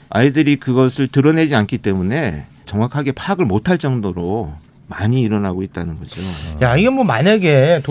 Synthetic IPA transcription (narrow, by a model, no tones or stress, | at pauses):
a̰idɯɾikɯɡʌsʰɯɭtɯɾʌne̞d͡ʑiankʰit͈e̞mune̞ | t͡ɕʌŋwakʰaɡe̞pʰaɡɯɭmotʰaɭt͡ɕ͈ʌŋdoɾo | maɲiːɾʌnaɡoit̚t͈anɯnɡʌd͡ʑojaiɡemwʌmaɲaɡet